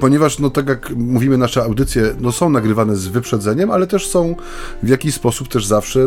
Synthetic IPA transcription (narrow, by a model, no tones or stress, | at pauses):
pɔɲɛvaʂnɔt̪aɡjakmuvʲimɘnaʂɛawd̪ɘt̪sʲjɛnɔsɔ̃w̃naɡɾɘvanɛzvɘpʂɛd̪zɛɲɛmalɛt̪ɛʂsɔ̃w̃ | vʲjakʲiɕspɔsup̚t̪ɛʐzafʂɛ